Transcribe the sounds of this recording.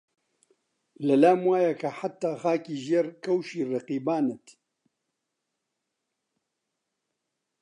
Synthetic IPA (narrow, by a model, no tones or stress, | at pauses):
lɐlaːmwaːjɐkʰɐħat̪ːaːxaːkiːʒeːɾkʰɐwʃiːrɐqiːbaːnɛt̪